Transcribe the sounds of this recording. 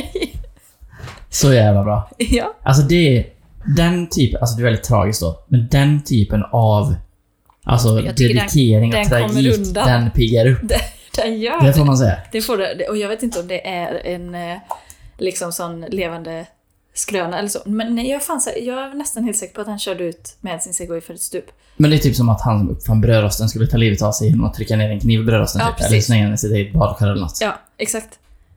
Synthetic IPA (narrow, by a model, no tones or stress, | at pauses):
sɔjæːvlabɾɑːjɑːʔals̬ɔd̪ɛː | d̪ɛnt̪ʰyːpəalsɔd̪ɛɾvɛld̪ɪt̪ʰːɾɑ̰ːɡɪsk̚td̪o̰ːmɛnd̪ɛnt̪ʰyːpənav | ʔa̰ls̬ɔd̪ɛɾɪt̪ʰeːɾɪŋʰɾaɡit̪d̪d̪ɛnpʰɪɡːaɾɵpːd̪ | d̪̥ɛjœːd̪ɛfoːɾmans̬ɛjːa̰d̪̥ɛfoːɖɛd̪ɛɔjɑɡveːt̪ɪnt̪əɔmd̪ɛʔæɾɛ̰n | lɪksɔmsɔnːleːvand̪ə | skɾøːnaɛlːəʂo̰ːmɛnjɑɡfaːnsɛ̰jɑːɡɛnɛst̪anhelt̪sɛːkə̥ɾpɔat̪hanɕœːɖəʉ̟ːt̪mɛd̪ad̪sɪnseːɡɔɪfœɾɛt̪st̪ʉːp | mɛnd̪ɛːt̪ʰyːpsɔmat̪hansɔmɵ̰pːfanːbɾøːɾɔst̪ənskɵlːət̪ʰɑːliːvət̪avsɛjɛnːɔ̰mɔt̪ʰːɾɪkːaneːɾɛnkʰniːvɪbɾøːɾɔ̰st̪ənːpɛ̰lːəɾslɛŋːansɪt̪ːaɪt̪̚bɑːd̪ɧaɾɛlənɔ̰t̪ːɑː | ɛksakt̪